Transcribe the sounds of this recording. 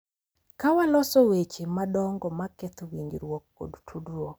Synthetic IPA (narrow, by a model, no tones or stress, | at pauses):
kawalɔsɔwet͡ʃemadɔŋɡɔmaket̪owiɲd͡ʒɾwɔk̚ːo̰dtʰudɾo